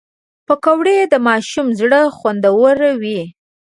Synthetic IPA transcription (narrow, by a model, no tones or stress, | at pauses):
pəkawɽed̪əmɑʃumzɽəxwand̪awəɾawi